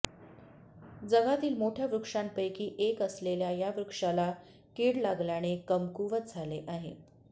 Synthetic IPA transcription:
d͡zəɡat̪iːlmoʈʰjaʋɾukʂampəjkiːʔekəsleljajaʋɾukʂala | kiɽlaɡljaɽ̃ekəmkuʋət̪̚d͡zʱaleʔaɦḛ

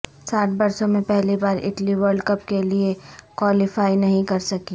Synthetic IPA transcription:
saːʈbɐɾsõmẽpɛɦlibaːɾɪ̰ʈliʋəɾɖkɐp̚keliekwaːlɪfaːinɐɦĩkɐɾsɐki

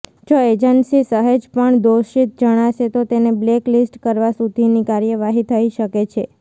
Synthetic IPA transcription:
d͡ʒoed͡ʒənsisəɦəd͡ʒpəɳd̪oʃit̪̚d͡ʒəɽ̃aʃet̪ot̪enebleklisʈkəɾʋasud̪ʱinikaɾjəʋaɦit̪ʰəiʃəket͡ʃʰe

